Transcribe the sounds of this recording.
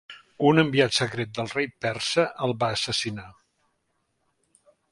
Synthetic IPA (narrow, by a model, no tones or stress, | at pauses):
unəmbiat̪səkɾet̪̚d̪əlˠrejpɛrsəʔəlˠβaːsəsina